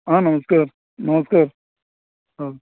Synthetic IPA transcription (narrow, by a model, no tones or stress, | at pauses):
ɦãːnɐməskaːɾ | nɐməskaːɾ | ɦaː